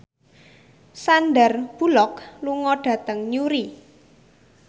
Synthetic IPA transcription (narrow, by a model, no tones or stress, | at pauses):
sanɖarb̥ṳlɔkluŋɔɖ̥ä̤t̪əŋɲuɾi